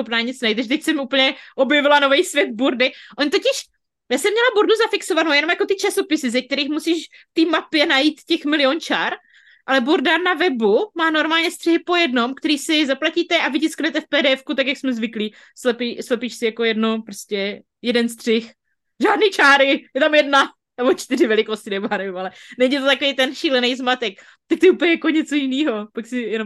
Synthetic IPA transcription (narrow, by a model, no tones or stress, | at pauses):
xopnaːɲɪt͡snajit̪aʒɛt̪ɛc̚sɛmʔuːpəl̩ɲɛʔo̞bjɛvɪlano̞vɛjsvjɛd̪̚buɾdɪʔoɲt̪ocɪʃ | jaːsɛmːɲɛlabuɾduzafɪksovanowjɛno̞mjakot̪ɪt͡ʃaso̞pɪsɪzɛk̚t̪ɛɾiːxmusiːʃ | ft̪iːmapjɛnajiːt̪cɛxmɪlɪont͡ʃaːɾ | ʔalɛbuɾdanavɛbumaːno̞ɾmaːlɲɛst̪r̥ɛɦɪpo̞jɛdno̞mkt̪ɛɾiːsɪzaplaciːt̪ɛʔavɪcɪsknɛt̪ɛfpɛːdɛːɛfkut̪akjaksmɛzvɪkliː | slɛpiːslɛpiːʃsɪjako̞jɛdnopɾoscɛ | jɛdɛnst̪r̝̥ɪx | ʒaːdniːt͡ʃaːɾɪjɛt̪amjɛdna | nɛbo̞t͡ʃt̪ɪrɪvɛlɪkoscɪnɛmaːnɛvɪmalɛnɛɲit̪ot̪akovejt̪ɛnʃiːlɛnɛjzmat̪ɛk | t̪akt̪ʊuːpɲɛjakoɲɛt͡so̞jɪniːɦopaksɪjɛnom